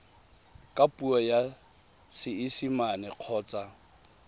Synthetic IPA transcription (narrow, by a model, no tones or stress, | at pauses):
kʼapʼuɔja | sɪɪsimanɛq͡χʰɔːt͡sʼa